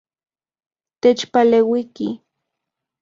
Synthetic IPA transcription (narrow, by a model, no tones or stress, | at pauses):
t̪et͡ʃpalewiki